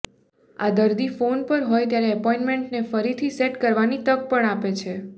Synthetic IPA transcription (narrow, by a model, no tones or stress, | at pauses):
ad̪əɾd̪ifonpəɾɦojt̪jaɾeəpɔinmeɳʈnefəɾit̪ʰiseʈkəɾʋanit̪ək̚pəɳapet͡ʃʰe